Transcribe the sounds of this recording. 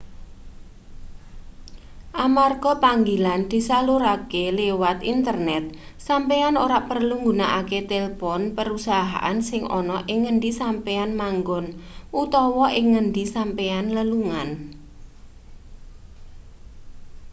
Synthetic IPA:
ʔamarɡ̥ɔpaŋɡiland̪̥i̤saluɾakelewat̪int̪ərnɛt̪̚sampeanoɾaʔpərluŋɡunaʔaket̪elpɔnpəɾusaɦa̰ʔa̰nsɪŋʔɔ̰nɔʔɪŋːəndisampeanmaŋɡɔnʔut̪ɔwɔʔɪŋːənɖ̪isampeanləluŋan

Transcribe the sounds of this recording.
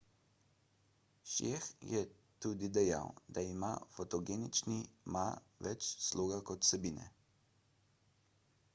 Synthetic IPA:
ʃexjɛ | t̪ud̪id̪ɛja̰wd̪aima̰fɔt̪ɔɡeːnit͡ʃnima | ʋɛt͡ʃslʔoːɡakɔt̪sɛbiːnɛ̰

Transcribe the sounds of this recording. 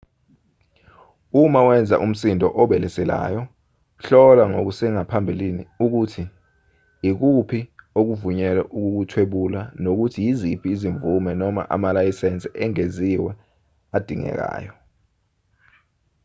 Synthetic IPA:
umawɛnd͡zʱa̰ʔum̩sindʱɔ̰ʔɔɓɛlɛsɛla̰ːjɔ | ɬɔlaŋok̬usɛŋapʰambʱiliniuk̬utʰi | ik̬upʰiok̬uvuɲɛlɛ̰ʔuk̬uk̬utʰweɓulanok̬utʰijizipʰiːziɱvumɛnɔma̰ʔa̰malajisɛnt͡sʼɛʔɛŋeziwɛ | ad̥ʱiŋɛ̰k̬a̰ːjɔ

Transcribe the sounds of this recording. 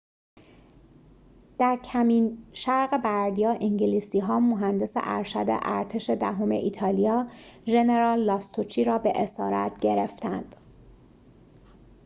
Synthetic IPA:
d̪̥æɾcʰæmiːnʃæɾɣe̞bæɾd̪ijɒːʔiɲɟiliːsiːɦɒːmoɦænd̪e̞sḛʔæ̰ɾʃæd̪ḛʔæɾt̪ʰe̞ʃe̞d̪æɦome̞̰ʔiːt̪ʰɒːlijɒːʒe̞neɾɒːlːɒːst̪ʰot͡ʃʰiːɾɒːbe̞ʔesɒːɾæ̰t̪ʰɟe̞ɾe̞ft̪ænd̪̥

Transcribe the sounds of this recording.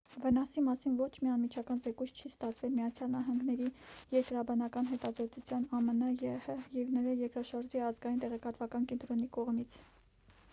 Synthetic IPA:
vənɑsimɑsinvɔt͡ʃʰmiɑnmit͡ʃʰɑkɑnzɛkujt͡sʰt͡ʃʰist̪ɑt͡sʰvɛlmiɑt͡sʰjɑlnɑɦɑŋɡnɛɾijɛɾkəɾɑbɑnɑkɑnɦɛt̪ɑzɔt̪ut͡sʰjɑnɑmənɑjɛhəjɛvnəɾɑjɛɾkɾɑʃɑɾʒiɑzɡɑjint̪ɛʁɛkɑt̪vɑkɑnkɛnt̪ɾɔnikɔʁmit͡sʰ

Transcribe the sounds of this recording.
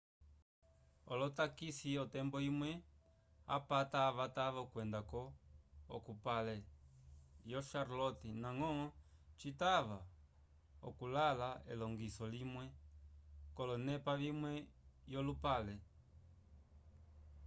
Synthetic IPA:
ɔlɔtakisiɔtɛmbɔimwɛ | a̰pataːβataβakwɛndakɔ̰ː | kupalɛ | jɔʃaɾlɔtinaŋɔ | t͡ʃitaβa | ɔ̰kulalaɛ̰lɔŋɡisɔlimwɛ | kɔlɔnɛpaβimwɛjɔlupalɛ

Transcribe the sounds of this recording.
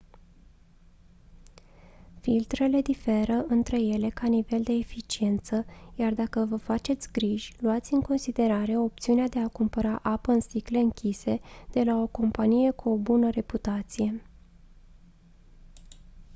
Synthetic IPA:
filt̪ɾe̞le̞d̪ife̞ɾəʔɨnt̪ɾe̞je̞le̞kanive̞ld̪e̞ːfit͡ʃie̞nt̪səjard̪akəvəfat͡ʃe̞t̪sʲɡɾiʒʲluat̪sʲɨŋko̞nsid̪e̞ɾaɾe̞o̞p̚t̪siunead̪e̞akumpəɾaʔapəɨnst̪ikle̞ɨŋkʲise̞d̪̥e̞lao̞ko̞mpanije̞kuo̞bunəɾe̞put̪at̪sije̞

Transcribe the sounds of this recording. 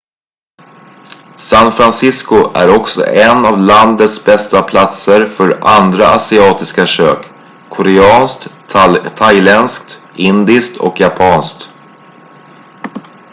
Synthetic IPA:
sanfɾansɪskʊʔæ̰ɾɔksɔ̰ʔɛnavland̪ət̪sbɛst̪apʰlat̪səɾfœɾand̪ɾaʔasɪɑːt̪ɪskaʂø̰ːk | kʰːɔɾɛɑːnskt̪ | t̪ʰajlɛnskt̪ | ʔɪnd̪ɪskt̪ʰɔ̰kjapʰɑːnskt̪

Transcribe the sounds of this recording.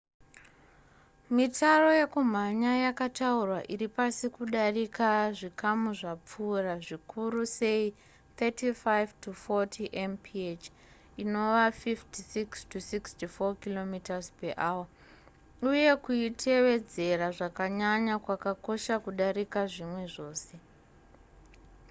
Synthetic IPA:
mitaro̞je̞kum̤aɲajakataurwaʔiripasikuɗarikaʐikamuʐap͡furaʐikʰuɾuse̞i | t̪ʰetifajvtufotʰiʔempʰiet͡ʃ | ino̞ʋafiftisikstusikstufokilo̞mitazpeʔaːwa | uje̞kuitʰe̞ʋe̞d͡ze̞raʐakaɲaɲakwakako̞ʃakuɗaɾikaʐimwe̞ʐo̞ːse̞

